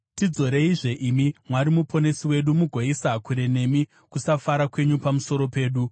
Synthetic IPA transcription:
tid͡zo̞ɾe̞iʐe̞ʔimimwaɾimupʰo̞ne̞siwe̞ɗumuɡʱoisakuɾe̞ne̞mi | kusafaɾakwe̞ɲupamuso̞ɾo̞pe̞ːɗu

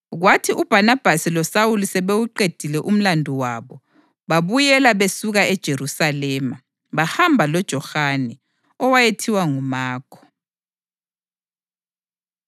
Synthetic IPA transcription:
ɣwatʰiʔub̥ʱanab̥ʱasilɔsawulusɛβewuǃed̥ʱilɛʔum̩landʱuwaːβɔ | βaβujɛlaβesuɣaɛd̥ʒ̥ʱeɾusalɛːma | βahambʱalɔd̥ʒ̥ʱɔxanɛ | ɔwajetʰiwaŋumaːkʰɔ̥

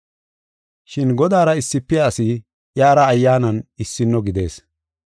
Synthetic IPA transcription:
ʃɪnɡɔd̪aːɾɐɪsːɪpːɛaːsɪ | jaːɾɐːjːaːnɐnɪsːɪnːɔɡɪd̪e̞̰ːs

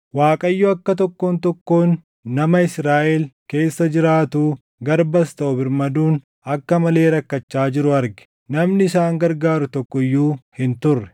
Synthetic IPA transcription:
waːkʼɐjːuɐkːɐt̪̬ɔkːo̞ːnt̪ɔkːo̞ːnː | ɐmɐɪsɾaːʔelke̞ːsːɐd͡ʒɪɾaːt̪uː | ɡɐɾbɐst̪ɐʔʊbɪɾmɐd̪uːn | ɐkːɐmɐle̞ːɾɐkːɐt͡ʃːaːd͡ʒɪɾʊɐɾɡɛ̥ | nɐmnɪɪsaːŋɡɐɾɡaːɾʊt̪ɔkːɔɪjːuːhɪnt̪ʊrːɛ̥

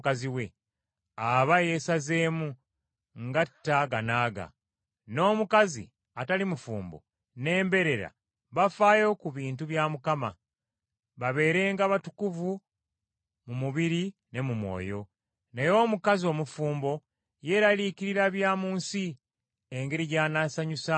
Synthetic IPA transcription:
kaziwe | aβaje̞ːsaze̞ːmu | ŋɡatːaɡanaːɡa̰ | no̞ːmukazḭ | atalimufuːmbo̞̰ | ne̞ːmbe̞ɾe̞ɾa̰ | βafaːjo̞kuβiːntuβjaːmukama | βaβe̞ːɾe̞ːŋɡaβatu̥kuvu | mumuβiɾi | ne̞mumwo̰ːjo̞ | nejo̞ːmukazio̞ːmufuːmbo̞ | je̞ɾalikiɾiɾaβjaːmuːnsi | eŋɡe̞ɾiɟaːnasaɲusa

